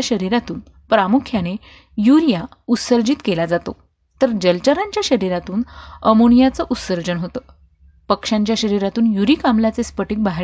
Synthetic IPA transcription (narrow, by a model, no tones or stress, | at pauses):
ɕəɾiɾat̪uːn | pɾamukʰjane | juɾija | ut̪səɾd͡ʑiːt̪kelad͡zat̪o̰ | t̪əɾd͡ʑəlt͡ɕaɾaɲt͡ɕjaɕəɾiɾat̪uːnəmoɳijat͡səʔut̪səɾd͡ʑənɦot̪ə | pəkʂaɲt͡ɕjaɕəɾiɾat̪uːnjuɾiːkamlat͡sespəʈik̚baɦ